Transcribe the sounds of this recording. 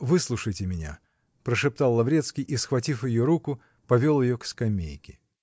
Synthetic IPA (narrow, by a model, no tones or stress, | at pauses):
vɨslˠuʂəjtʲɪmʲɪnʲa̰ | pɾəʂɨp̚t̪alˠːɐvɾʲet̪skʲɪjʔisxvɐtʲifjɪjoɾukʊ | pɐvʲo̞lˠjɪjokskɐmʲḛjkʲɪ̥